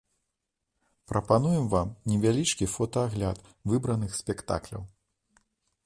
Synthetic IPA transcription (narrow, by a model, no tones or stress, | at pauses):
pɾɐpanujɛmvamnʲɛvʲalʲit͡ʂkʲifɔt̪ɐaɣlʲat̪ | vɨbɾɐnɨxsʲpʲɛkt̪a̰klʲɐ̰w